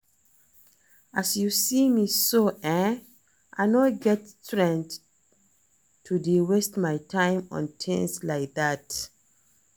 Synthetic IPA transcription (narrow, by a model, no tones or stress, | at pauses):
ʔasjusimisoɛ̃ | ʔa̰ɪnɔɡɛtstɹɛ̃nd | tʰudiwestmajtʰãɪ̃mɔ̰̃ntʰɛ̰̃nslaɪk̚ðat